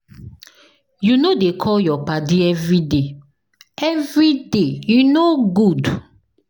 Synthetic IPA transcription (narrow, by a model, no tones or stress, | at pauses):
junodekʰɔjɔpadiɛvɹide | ɛvɾidejunoɡud